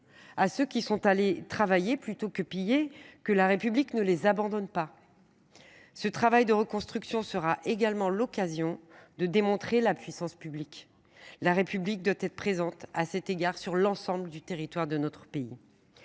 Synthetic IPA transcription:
asøkʲisɔ̃t̪alet̪χavajeplyt̪okəpijekəlaʁepybliknəlezabɑ̃d̪ɔnpa | sət̪χavajd̪əʁəkɔ̃st̪χyksjɔ̃səʁaʔeɡalmɑ̃lɔkazjɔ̃d̪əd̪emɔ̃t̪χelapɥisɑ̃spyblik | laʁepyblik̚d̪wat̪ɛt̪χəpχezɑ̃t̪asɛt̪eɡaʁsyʁlɑ̃sɑ̃bləd̪yt̪eʁit̪waʁd̪ənɔt̪χəpeḭ

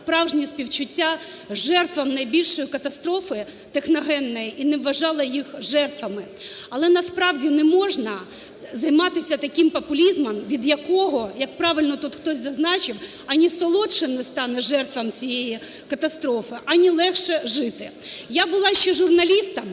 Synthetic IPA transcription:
pɾɑwʒnʲispʲiwt͡ʃʊtʲːaʒɛrt̪ʋɐmnɐjbʲilʲʃɔjikɐt̪ɐst̪ɾɔfɪ | t̪exnɔɦɛnːɔjiʔinɛʋːɐʒɑlˠɐjixʒɛrt̪ʋɐmɪ | ɐlˠɛnɐspɾɑwdʲinɛmɔʒnɐ | zɐjmɑt̪ɪsʲɐt̪ɐkʲimpɐpʊlʲizmɐmʋʲid̪jɐkɔɦɔjɐk̚pɾɑʋɪlʲnɔt̪ut̪xt̪ɔsʲzɐznɑt͡ʃɪw | ɐnʲisɔlˠɔt͡ʃɪnɪst̪ɑnɛʒɛrt̪ʋɐmt͡sʲijejikɐt̪ɐst̪ɾɔfɪʔɐnʲilˠɛxʃɛʒɪt̪ɪjabʊlˠɑʃt͡ʃɛʒʊrnɐlʲist̪ɐm

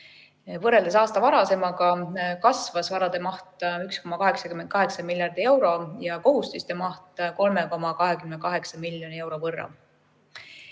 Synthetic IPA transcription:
vɤre̞ld̪e̞sɑːst̪ɑvɑɾɑse̞mɑɡɑkɑsvɑsvɑɾɑd̪̥e̞mɑht̪yksko̞mɑkɑɦe̞ksɑkymen̚kɑɦe̞ksɑmilʲjɑrd̪̥ie̞wɾo̞jɑko̞ɦust̪ist̪e̞mɑht̪ko̞lme̞ko̞mɑkɑɦe̞kymnekɑɦe̞ksɑmiljo̞nie̞wɾo̞vɤrːɑ̰

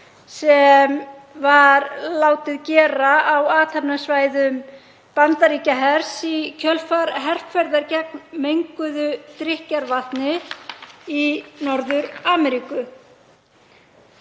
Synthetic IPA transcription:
sɛm | vaɾlaːwt̪ɪðcɛːɾaawaːt̪ʰapnasvaːjðʏm | pant̪aɾiːcaɦɛɾ̥sicʰœlfaɾɦɛr̥pfɛɾðaɾcɛk̚nmejŋkʏðʏt̪ɾɪhcaɾvaht̪nɪ | inɔɾðʏɾaːmɛɾiːkʏ

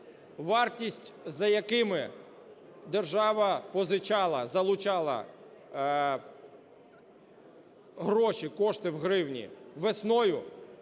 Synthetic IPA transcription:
ʋɑrtʲisʲtʲzɐjɐkɪmɪ | d̪erʒɑʋɐpɔzɪt͡ʃɑlˠɐzɐlˠʊt͡ʃɑlˠɐ̰ | ɦɾɔʃʲikɔʃt̪ɪwɦɾɪwnʲḭʋesnɔjʊ

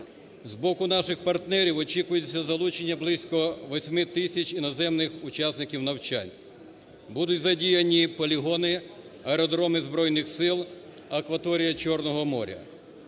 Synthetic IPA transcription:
zbɔkʊnɑʃɪxpɐrt̪nɛɾʲiwɔt͡ʃikʊjʊt͡sʲːɐzɐlˠut͡ʃenʲːɐblˠɪsʲkɔʋɔsʲmɪt̪ɪsʲɐt͡ʃʲinɔzɛmnɪxʊt͡ʃasnɪkʲiwnɐwt͡ʃa̰nʲ | bud̪ʊtʲzɐdʲijɐnʲipɔlʲiɦɔnɪ | ɐɾɔd̪ɾɔmɪzbɾɔjnɪxsɪlˠ | ɐkʋɐt̪ɔɾʲijɐt͡ʃɔrnɔɦɔmɔ̰ɾʲɐ̰

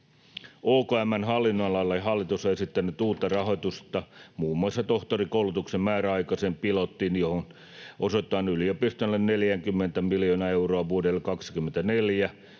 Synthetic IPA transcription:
ʔoːkoæmːænɦɑlːinːolɑlːɑjɦɑlːit̪usːɑesit̪ːænˑyt̪uːt̪ːɑrɑɦo̞jt̪ust̪ɑmuːmːuɑsːɑt̪o̞ht̪orikouwlut̪uksemmæːɾæɑikɑseːmpilot̪ːinjohon | ʔosot̪ːˑɑːnyliopist̪olːenneljæŋkymːent̪æmiljonɑe̞uroɑʋuodelːekɑksi̥kymːent̪æneljæ

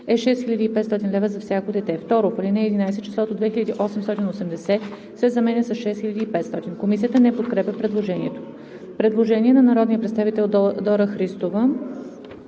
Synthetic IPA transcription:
ɛʃɛst̪xilʲɐd̪iːpɛt̪st̪ɔt̪inlɛvəzɐfsʲjakod̪ɛt̪ɛft̪ɔɾopɐlʲinɛːd̪inajsɛt͡ʃɛsˠɔt̪od̪vɛxilʲɐd̪iʔɔsɛmst̪ɔt̪inosɛmd̪ɛsɛ | sɛzɐmɛnʲɛsɐsʃɛsxilʲɐd̪iːpɛt̪st̪ɔt̪inkomis̬iət̪ənɛpot̪kɾɛpʲəpɾɛd̪lˠoʒɛniɛt̪o̥ | pɾɛd̪lˠoʒɛniɛnɐnɐɾɔd̪nijəpɾɛt̪st̪avit̪ɛlˠd̪ɔɾəxɾist̪ovə

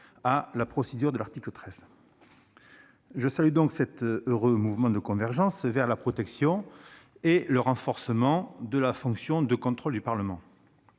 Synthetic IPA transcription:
alapχɔsed̪yʁd̪əlaʁt̪iklət̪χɛz̥ | ʒəsalyd̪ɔ̃ŋksɛt̪øʁømuvmɑ̃d̪əkɔ̃vɛʁʒɑ̃svɛʁlapχɔt̪ɛksjɔ̃eləʁɑ̃fɔʁsəmɑ̃d̪əlafɔ̃ksjɔ̃d̪əkɔ̃t̪χɔld̪ypaʁləmɑ̃

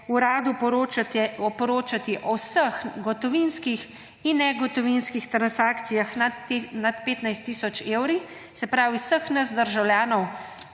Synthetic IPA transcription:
uɾaːd̪u | ɔpɔɾoːt͡ʃat̪iʔɔwsəxɡɔt̪ɔʋinskix | inːɛɡɔt̪ɔʋinskixt̪ɾansaːkt̪sijaxnat̪peːt̪najst̪ːiːsɔt͡ʃeːwɾi | sɛpɾaːwiwsəxnɐzd̪əɾʒawljaːnɔw

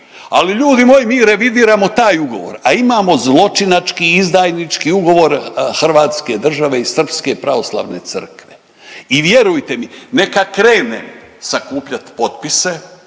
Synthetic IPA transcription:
a̰liʎuːd̪imo̞jimiːɾe̞ʋid̪iːɾamo̞t̪aːjuɡo̞̰ʋo̰ɾaimaːmo̞zlˠo̞t͡ʃinat͡ʃkiizd̪aːjnit͡ʃkiuɡo̞ʋo̞ɾxr̩ʋaːt̪ske̞d̪r̩ʒaʋe̞isr̩pske̞pɾaʋo̞slˠa̰ːʋne̞̰t̪sə̰rkʋe | iʋje̞ɾujt̪e̞mine̞kakɾeːnḛmsakuːpʎat̪po̞t̪pise̞

